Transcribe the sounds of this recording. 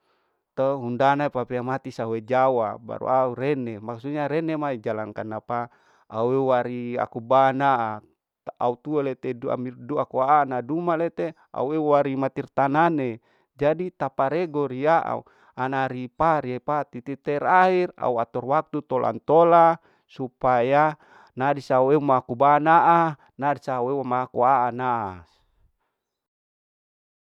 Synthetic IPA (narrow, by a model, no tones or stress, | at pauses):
t̪əɦundanaipapeamat̪isawed͡ʒawaba̰ɾṵauɾenemaksuɲaɾenemaid͡ʒalaŋkanapa | auewaɾia̰kubana | aut̪uelet̪edua̰mirduakuaːnadumalet̪e | a̰uewaɾimat̪irt̪anane | d͡ʒadit̪apaɾeɡɔɾiaʔa̰u | anaɾipaɾiapat̪it̪it̪ɛɾaɦira̰ua̰t̪ɔrwak̚t̪ut̪ɔlʔa̰nt̪ola | supaja | nadisaueumakubanaʔa | nadisauewamakuaʔanaʔa̰